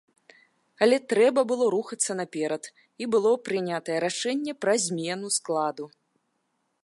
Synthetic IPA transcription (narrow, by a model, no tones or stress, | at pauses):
ɐlʲɛt̪ɾɛbɐbɨlˠɔɾuxɐt̪sːɐnapʲɛɾɐt̪ | ibɨlˠɔpɾɨnʲat̪ɐjɛɾaʂɛnʲːɛpɾɐzʲmʲɛnusklˠad̪u